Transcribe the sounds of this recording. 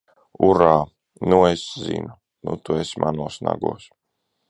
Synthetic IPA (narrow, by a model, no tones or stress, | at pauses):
uɾaː | nueszḭnu | nut̪uesmʔanuɔːsna̰ɡṵɔs